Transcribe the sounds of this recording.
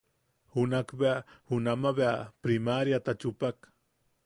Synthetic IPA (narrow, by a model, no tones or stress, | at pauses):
hunakbeahunamaβeapɾimaɾjat̪at͡ʃupak